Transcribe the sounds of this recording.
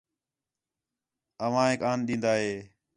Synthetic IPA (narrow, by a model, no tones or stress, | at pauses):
əʋãːɦeːkaːnɗĩːnd̪aːɦeː